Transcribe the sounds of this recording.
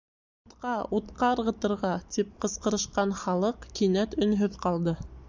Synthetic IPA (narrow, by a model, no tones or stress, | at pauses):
ut̪qɑut̪qɑɤ̆ɾʁɤ̆t̪ɤ̆ɾʁɑt̪ip̚qɤ̆sqɤ̆ɾɤ̆ʃqɑnχɑlˠɤqkinæt̪ɵ̆nɦɵðqɑlˠd̪ɤ